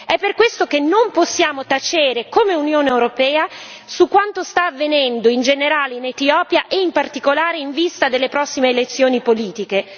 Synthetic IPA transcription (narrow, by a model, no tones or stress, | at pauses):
ɛpːerkwest̪okenːomposːjaːmot̪at͡ʃeːɾekomeunjoːneewɾopɛːasukːwant̪ost̪aːvːenɛnd̪oind͡ʒeneɾaːleinet̪iɔːpjaʔeimpart̪ikolaːɾeiɱvist̪ad̪elːepɾɔsːimeːlet̪sːjoːnipoliːt̪ike